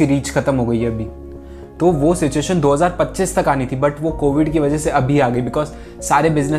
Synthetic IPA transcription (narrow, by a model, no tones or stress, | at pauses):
iɾiːt͡ʃxʰɐt̪əmɦoːɡɐiɛɐbʱi | t̪oʋosɪt͡ʃueːʃənd̪oːɦɐzaːɾpɐtːt͡ʃiːst̪ɐkaːnit̪ʰibɐʈʋokoːʋɪɖkiʋɐd͡ʒəɦseɐbʱiaːɡɐibɪkɔːz | saːɾebɪznə